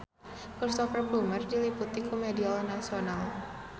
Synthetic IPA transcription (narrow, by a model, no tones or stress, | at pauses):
kɨrsɔfəblumərdiliput̪ikumediɔlnasional